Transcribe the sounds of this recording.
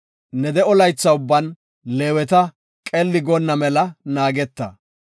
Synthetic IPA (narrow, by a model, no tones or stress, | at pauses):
nɛd̪ɛɔlɐjt͡sːɐʊbːɐn | leːwɛt̪ɐ | kʼɛlːɪɡɔnːɐmɛlɐnaːɡɛt̪ːɐ̰